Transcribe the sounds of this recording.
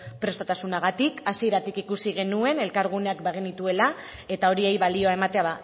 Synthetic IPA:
pɾe̞st̪at̪asunaɣ̞at̪ikasieɾat̪ikikusiɣ̞e̞nue̞ne̞lkaɾɣ̞une̞akbeɣinit̪ue̞la | e̞t̪ao̞ɾiejβalio̞aemat̪e̞aða

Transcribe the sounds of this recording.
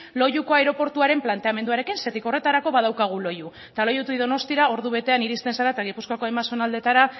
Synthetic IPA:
lo̞juko̞aeɾo̞po̞ɾt̪uaɾe̞mplant̪e̞ame̞nd̪uaɾe̞kinse̞t̪iko̞re̞t̪aɾako̞βaðawkaɣ̞ulo̞ju | t̪alo̞jut̪uiðo̞no̞st̪iɾao̞ɾðuβe̞t̪e̞aniɾist̪e̞nsaɾat̪aɣ̞ipuskako̞ajmaso̞nald̪e̞t̪aɾa

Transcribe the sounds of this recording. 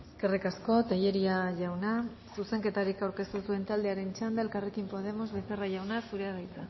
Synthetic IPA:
eske̞rikasko̞t̪aʎe̞ɾiaʝawna | suse̞ŋke̞t̪aɾikawɾke̞st̪usue̞nt̪ald̪e̞aɾe̞nt͡ʃand̪aelkarekimpo̞ð̞e̞mo̞zβe̞θeraʝawnasuɾearajt͡sa

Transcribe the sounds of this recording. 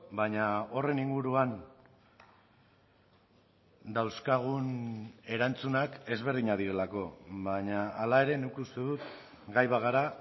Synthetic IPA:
baɲao̞re̞niŋɡuɾuan | d̪awskaɣ̞une̞ɾant͡sunake̞zβe̞ɾð̞iɲað̞iɾe̞lako̞βaɲaːlae̞ɾe̞nukust̪eðut̪ | ɡajβaɣaɾa

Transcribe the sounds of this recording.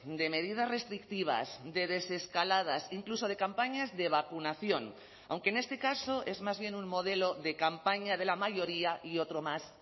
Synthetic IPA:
d̪e̞me̞ðið̞asre̞st̪ɾik̚t̪iβ̞a̰sd̪e̞ðe̞se̞skalað̞asiŋkluso̞ð̞e̞kampaɲazðe̞β̞akunaθjo̞n | a̰wŋkene̞st̪e̞kaso̞ʔe̞zmazβ̞je̞nuŋmo̞ð̞e̞lo̞ðe̞kampaɲað̞e̞lamaʝo̞ɾiaʔio̞t̪ɾo̞mas

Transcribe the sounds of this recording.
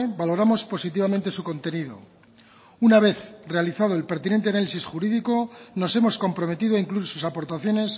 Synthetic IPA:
balo̞ɾamo̞spo̞sit̪iβ̞amẽ̞nt̪e̞suko̞nt̪e̞niðo̞̰ | unaβ̞e̞θre̞aliθað̞oe̞lpe̞ɾt̪inent̪eanalisisxuɾiðiko̞no̞se̞mo̞sko̞mpɾo̞me̞t̪iðoaiŋkluiɾsusapo̞ɾt̪aθjo̞ne̞s

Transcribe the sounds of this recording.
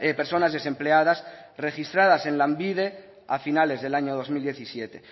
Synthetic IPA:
epeɾso̞nazðe̞sẽ̞mpleaðas | re̞xist̪ɾaðase̞nlambið̞e̞ | afinale̞zðe̞laɲoð̞o̞zmild̪je̞θisjet̪e̞

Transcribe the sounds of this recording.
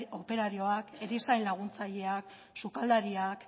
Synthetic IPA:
o̞pe̞ɾaɾio̞akeɾisajnlaɣ̞unt͡saʎe̞ak | sukald̪aɾiak

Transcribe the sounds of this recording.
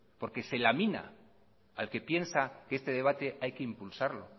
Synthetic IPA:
po̞ɾke̞se̞lamĩna̰ | alke̞pje̞nsakeest̪e̞ðe̞β̞at̪e̞ʔajke̞impulsaɾlo̞̰

